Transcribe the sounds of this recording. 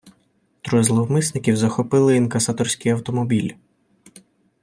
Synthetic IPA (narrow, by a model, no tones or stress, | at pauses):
t̪ɾɔjzlˠɔwmɪsnɪkʲiwzɐxɔpɪlˠɪinkɐsɑt̪ɔrsʲkɪjɐwt̪ɔmɔbʲilʲ